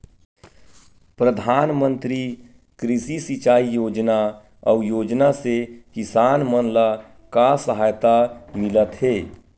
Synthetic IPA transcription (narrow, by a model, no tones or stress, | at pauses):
pɾəd̪ʱaːnmə̃nt̪ɾi | kɾɪsisit͡ʃaːijoːd͡ʒna | ɔːjoːd͡ʒnasekɪsaːnmənla | kasəɦaːjt̪amɪlət̪ɦeː